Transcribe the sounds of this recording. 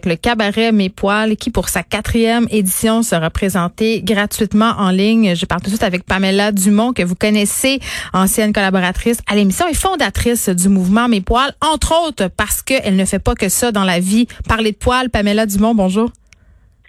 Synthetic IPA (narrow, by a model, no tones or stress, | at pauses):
kləkabaʁɛmepwalkʲipʊʁsakʲat̪χijɛmed̪isjɔ̃səʁapχezɑ̃t̪eɡʁat̪ɥit̪mɑ̃ʔɑ̃lɪɲʒəpaʁlt̪ut̪sɥɪt̪avɛk̚pamɛlad̪ymɔ̃kəvukɔnɛseɑ̃sjɛnkɔlabɔʁat̪χɪsalemisjɔ̃ɛfɔ̃d̪at̪χɪsd̪ymuvmɑ̃mepwalɑ̃t̪χot̪χpaʁ̥sə̥kəʔɛlnəfɛpakəsad̪ɑ̃lavipaʁled̪əpwalpamɛlad̪ymɔ̃bɔ̃ʒuːʁ